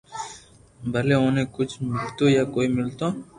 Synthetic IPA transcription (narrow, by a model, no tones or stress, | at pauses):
bʱəleõnẽkʊt͡ʃʰmɪlt̪ojaːkoːimɪlt̪oː